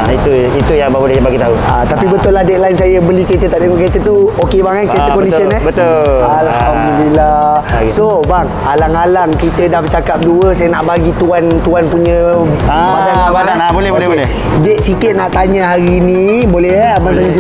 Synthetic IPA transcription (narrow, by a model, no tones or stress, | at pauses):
it̪u | it̪ujaŋbabolɛhbaɡit̪aua̰t̪apibət̪ʊladɛʔ̪̚laɪnsajəbəlikəit̪̬ət̪aʔ̚t̪eŋɔʔkit̪ət̪uokebaŋanket̪əkɔndissiənəbət̪olaaapuɲə̃bilasobaŋ | alaŋalaŋkit̪ədabt͡ʃakap̚duəsajənaʔbaɡit̪uant̪uanpuɲə̃ | aabaaabolɛbolɛɦbolɛ | dɛʔ̪̚sikɪt̪̚naʔt̪aɲəɦaɾinibolɛbaŋt̪aɲə̃s̬i